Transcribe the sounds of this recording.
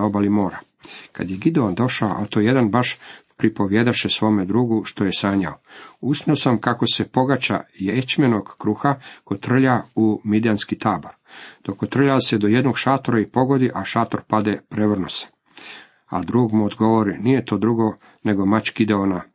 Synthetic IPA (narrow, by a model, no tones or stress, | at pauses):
obalimo̞ːɾa | ka̰d̪jeɡid̪eond̪o̞ʃao̰ʔat̪oje̞d̪anbaʃpɾipoʋjed̪aʃesʋo̞ːmed̪ɾuːɡuʃt̪o̞jesaːɲaousniosamkako̞se̞po̞ɡat͡ɕa̰jet͡ɕme̞noɡ̥kɾuːxakot̪r̩ʎaumid̪janskit̪aːbo̞ɾd̪̥o̞kot̪r̩ʎase̞d̪o̞je̞d̪no̞ɡʃat̪oɾaipo̞ɡo̞d̪iʔaʃaːt̪oɾpad̪epɾeʋr̩nuse̥ | a̰d̪ɾuːɡmuod̪ɡo̞ʋoɾinije̞t̪o̞ːd̪ɾuɡo̞ | ne̞ɡo̞mat͡ɕɡ̥id̪eona